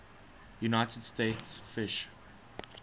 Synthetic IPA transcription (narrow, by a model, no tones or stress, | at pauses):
junaɪtədstetsfɪʃ